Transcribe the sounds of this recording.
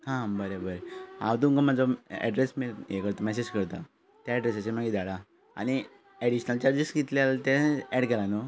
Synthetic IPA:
hãbəɾebəɾɦã̰wt̪uŋkəmad͡zɔɛ̰ɖɾesmiljekəɾt̪omɛs̬ed͡ʑkəɾt̪a | t̪jaɛɖɾesasemaɡid̪aɽa | a̰ñi | ɛɽiɕnəlt͡ɕaɾd͡ʑiskit̪ljalt̪ɛ̃ɛɽkɛlãno

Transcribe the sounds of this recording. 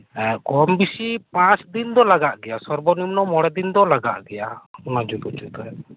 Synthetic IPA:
ɛkɔmbisipãsd̪ind̪ɔlaɡaʔɡɛjasɔɾbɔnimnɔmɔɽɛd̪ind̪ɔlaɡa̰ʔɡɛjamad͡ʒut̪ut͡ʃut̪ɔɛ

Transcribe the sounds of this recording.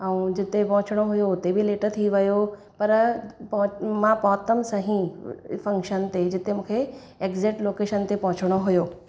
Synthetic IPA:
ɛũd͡ʑɪt̪epɐ̃ɦʊ̃t͡ɕɪɽ̃oɦʊjoʊt̪ebɪleːʈət̪ʰiʋɐjo | pɐɾpmãpɔːt̪əmsɐɦĩfɐ̃ŋkʃənt̪ed͡ʑɪt̪emũːkʰe | eːkzɪʈloːkeːʃənt̪epɐ̃ɦʊ̃t͡ɕɪɽ̃oɦʊjoː

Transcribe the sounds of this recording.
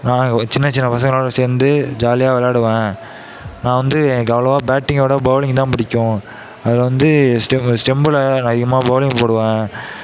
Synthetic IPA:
nãːŋɡɐt͡ʃɪnːɐt͡ʃɪnːɐpɐsɐ̃ŋɡɐɭoːɽɐseːɾnd̪ɯd͡ʒaːlɪjaːʋɐlaːɽɯʋẽː | nãːʋɐnd̪ɯɡɐʋɐlɐʋaːbaːʈːɪŋɡoːɽɐbɐʋlɪŋt̪ãːpɐɽɪkʲːʊ̃ | ɐðɯlʋɐnd̪ɯsʈɛsʈɛmbɯlɐɐðɪɣɐmaːbɐʋlɪ̃ŋɡpoːɽɯʋẽː

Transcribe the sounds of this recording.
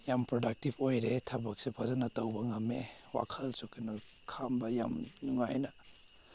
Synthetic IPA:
jampɾodak̚tipʰojɾetʰɐbɐk̚sepʰazɐnɐtɐwbɐŋamewa̰kʰɐlsukʰinɐ | kʰambɐja̰mnuŋajnɐ

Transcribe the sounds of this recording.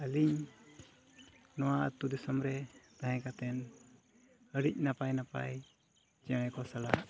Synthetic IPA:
əliɲ | nɔwaʔə̰t̪ud̪isɔmɾɛt̪aɦɛ̃kat̪ɛn | əɽic̚ˀnapajnapa̰j | t͡ʃɛɽ̃ɛkɔsala̰ʔ

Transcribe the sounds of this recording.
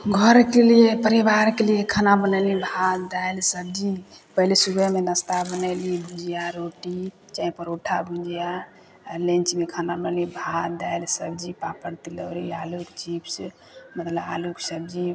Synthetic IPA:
ɡʱɔɾkeliepəɾibaɾkelijekʰanabənəlibʱad̪ajlsəb̚d͡ʒi | pəɦilesubəmenəst̪abənəlibʱũd͡ʒijaɾoʈi | t͡ʃaĩpəɾoʈʰabʱũnd͡ʒija | lẽnt͡ʃmekʰanabənlibʱad̪ajlsəb̚d͡ʒipapəɾt̪iləɾialukt͡ʃibs | mət̪ləba̰luksəb̚d͡ʒi

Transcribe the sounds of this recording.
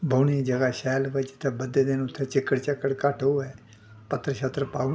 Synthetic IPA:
bʱuːniːd͡ʒəɡaːʃɛːlʋɪt͡ʃt̪ʰːẽːbəd̪eːd̪ɪnʊt̪ʰːẽːt͡ʃɪkːəɽt͡ʃəkːəɽkəʈʰɦoːɛː | pət̪ːɾəʃat̪ɾəpaː

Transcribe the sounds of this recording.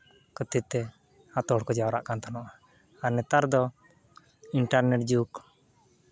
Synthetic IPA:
kət̪it̪̚t̪ːɛ | at̪ɔɽkɔd͡ʒawɾa̰ʔkant̪ʰanɔʔa | aɾnɛt̪aɾd̪ɔ | iɳʈaɾnɛʈ̚d͡ʒuk

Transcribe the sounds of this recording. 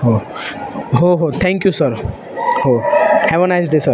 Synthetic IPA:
ho | ɦoɦot̪ʰɛ̃ŋkjusəɾ | hohɛʋonajzd̪esəɾ

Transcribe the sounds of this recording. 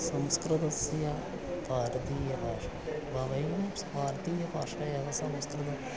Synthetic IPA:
sɐmskɾɐt̪ɐsjɐ | paːɾt̪iːjɐpaːʃɐbʱɐʋɐjɐmspaːɾt̪iːjɐpaːʂɐjɐʋɐsɐmskɾɨd̪ɐ

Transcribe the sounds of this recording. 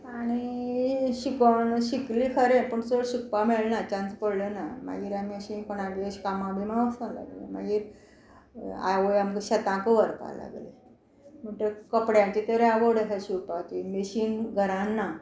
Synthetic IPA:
aɽ̃i | ɕikonɕiklikʰəɾẽpəɳt͡səɽɕikpamelnat͡ɕãnt͡spəɽlenama̰ɡiːɾamiəɕinpəɳaɡeəɕkamãbimaʋəsala̰ɡlḛma̰ɡiːɾ | a̰ʋojamɡɕət̪ãkəʋəɾpa̰la̰ɡlḛ | m̤əɳʈ̪əkəpɽjãt͡ɕit̪əɾaʋəɽasaɕupat̪imeɕiːnɡʱəɾãnːa

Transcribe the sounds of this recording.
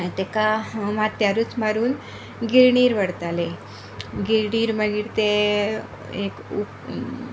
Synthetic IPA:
t̪ekamat̪jaɾut͡smaɾuːn | ɡiɾɳiːɾʋəɽt̪ale | ɡiɾɳiːɾməɡiːɾt̪e | eku

